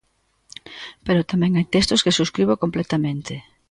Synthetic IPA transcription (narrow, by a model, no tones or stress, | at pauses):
peɾot̪amɛ̃ŋajt̪est̪oskesuskɾiβokomplɛt̪amẽnt̪ɪ